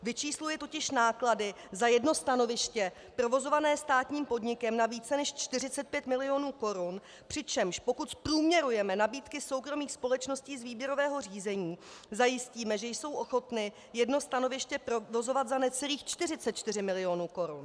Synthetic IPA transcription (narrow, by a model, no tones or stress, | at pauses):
vɪt͡ʃiːslujɛt̪o̞cɪʃnaːkladɪ | zajɛdno̞st̪ano̞vɪʃcɛ | pɾo̞vo̞zo̞vanɛːst̪aːt̪ɲiːmpo̞dɲɪkɛmnaviːt͡sɛnɛʃt͡ʃt̪ɪrɪt͡sɛt̪pjɛt̪mɪlɪo̞nuːko̞ɾʊn | pr̝̥ɪt͡ʃɛmʃpo̞kut̪pɾuːmɲɛɾujɛmɛnabiːt̪kɪso̞wkɾo̞miːxspo̞lɛt͡ʃno̞sciːzviːbjɛɾo̞vɛːɦo̞r̝iːzɛɲiːzajɪsciːmɛʒɛjso̞wʔo̞xo̞t̪nɪ | jɛdno̞st̪ano̞vɪʃcɛpɾovo̞zo̞vat̪zanɛt͡sɛliːxt͡ʃt̪ɪrɪt͡sɛt̪̚t͡ʃt̪ɪr̝ɪmɪlɪo̞nuːko̞ɾṵn